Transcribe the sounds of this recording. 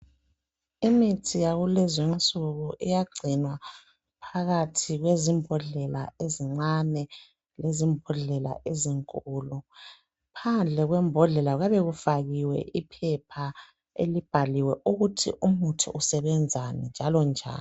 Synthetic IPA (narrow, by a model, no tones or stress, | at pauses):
imitʰijaɣulɛzɛnt͡sʼuɣuʔḭjaɡ͡ǀʱinwa | pʰaɣatʰiɣwezimbʱɔɮɛla̰eziŋ͡ǀanɛ | lezimbʱɔɮɛla̰ʔeziŋkʼuːlu | pʰand͡ɮʱɛɣwɛmbʱɔɮɛlaɣaβeɣufaɣiwɛ̰ʔipʰɛpʰa | ḛlib̥ʱaliwɛʔuɣutʰḭʔumutʰuʔusɛβɛnd͡zʱanɛnd͡ʒʱalɔnd͡ʒʱa̰ːn